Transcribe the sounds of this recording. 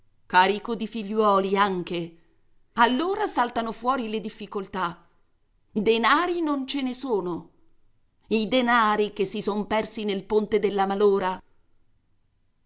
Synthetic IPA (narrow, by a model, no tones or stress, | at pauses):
kaːɾikod̪ifiʎːwɔːliaŋk̟e | alːoːɾasalt̪anofwɔːɾiled̪ifːikolt̪a | d̪enaːɾinont͡ʃenesoːno | id̪enaːɾik̟esːisompɛrsinelpont̪ed̪elːamaloːɾa